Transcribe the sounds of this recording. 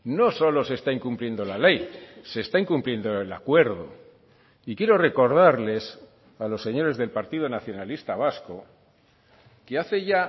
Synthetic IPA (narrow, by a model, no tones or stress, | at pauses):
no̞so̞lo̞se̞st̪aiŋkumplje̞nd̪o̞lale̞jse̞ːst̪aiŋkumplje̞nd̪oela̰kwe̞ɾðo̰ | ikjeɾo̞re̞ko̞ɾðaɾle̞s | alo̞sːe̞ɲo̞ɾe̞zðe̞lpaɾt̪iðonaθjo̞nalist̪aβ̞asko̞ | keaθe̞ʝa